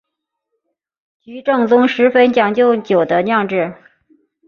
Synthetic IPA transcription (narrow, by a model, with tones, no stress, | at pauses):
t͡ɕy˧˥ʈ͡ʂɤ˥˩ŋt͡sʊ˥ŋʂɻ̩˧˥fə˥nt͡ɕjɑ˨˩ŋt͡ɕjo˥˩ʊt͡ɕjo˨˩ʊd̪ə˦njɑ˥˧ŋʈ͡ʂɻ̩˥˩